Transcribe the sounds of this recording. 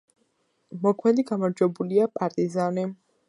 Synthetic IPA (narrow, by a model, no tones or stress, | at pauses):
mɔkʰmɛd̪iɡamaɾd͡ʒwɛbuliapʼaɾt̪ʼizani